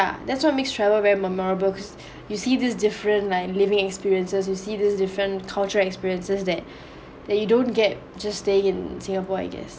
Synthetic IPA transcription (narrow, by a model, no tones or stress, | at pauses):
ja̰d̪ɛtswɔt̚mekstʰɹɛvəlvɛɹiməmɔɹəbəlkʰɔs | jusid̪isdɪfɹə̃ntlaɪklivɪ̃ŋɛkspiɹiə̃nsəs̬jusid̪isdɪfɹə̃nkʰalt͡ʃəɛkspiɹiə̃nsəsdɛt̚ | dɛt̚judõnɡɛt̚ | d͡ʒasːteɪ̃ŋɪ̃nsɪ̃ŋapɔa̰ɪɡɛ̰s